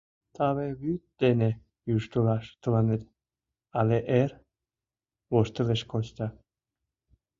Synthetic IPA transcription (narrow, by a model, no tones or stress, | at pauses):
t̪ʰɑβeβyt̪̚d̪̥ene | jyʃt̪ulɑʃt̪əlɑnet̪̚ | ɑleʔer | βoʃt̪əleʃkot͡ɕt̪ɑ